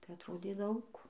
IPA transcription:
tɐɪ ɐtˈroːdʲeː ˈdɐʊk

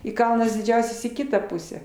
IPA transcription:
ɪ ˈkɐlˠnɐs dʲɪˈd͡ʒʲɛʊsʲɛs iː ˈkʲɪtɑː ˈpʊsʲæː

